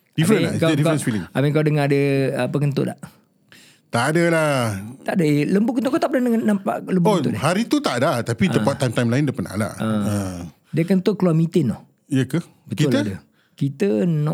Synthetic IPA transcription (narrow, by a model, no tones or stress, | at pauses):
d̥ifɾənkadikaɾənsfiliŋamikaawdəŋadəapəkənt̪ʊ̰ʔdla̰ʔ | t̪aʔdəlaht̪aʔdələmbʊʔkənt̪ʊʔkat̪aʔp̚danəŋanampa̰ʔləmbuɔkt̪ʊ̰ʔdɪhaɾit̪ut̪aʔdaht̪apiəpat̪ajmt̪ajmlaɪndəpana̰la̰ʔəə | diəkənt̪ʊʔkluamĩt̪ɪnɔh | ijəkə | bət̪iʊlt̪ədə | kit̪ənɔʔ